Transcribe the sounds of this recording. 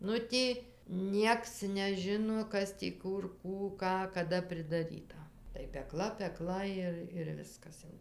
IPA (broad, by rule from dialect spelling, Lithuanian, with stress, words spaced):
ˈnʊ tʲiː ˈnʲiɛks nʲɛˈʒʲɪnoː ˈkɐs tʲiː ˈkʊr ˈkuː ˈkɑː kɐˈdɐ pʲrʲɪdɐˈrʲiːtɐ tɐɪ pʲɛˈklˠɐ pʲɛˈklˠɐ ˈɪr ɪr ˈʋʲɪskɐs jɛʊ